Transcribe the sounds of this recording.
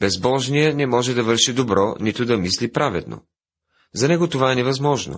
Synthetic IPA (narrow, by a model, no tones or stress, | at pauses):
b̥ɛzbɔʒnijɛnɛmɔʒɛd̪ɐvɤɾʃid̪obɾɔnit̪ʊd̪ɐmislipɾavɛd̪no̰ | zɐnɛɡot̪ovaɛnɛvɐzmɔʒno̰